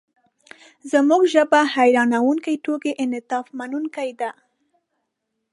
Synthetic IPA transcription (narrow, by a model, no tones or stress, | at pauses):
zəmuɡʒəbahajɾɑnawuŋkajʈokeʔɪnɪt̪ɑfmanunkajd̪a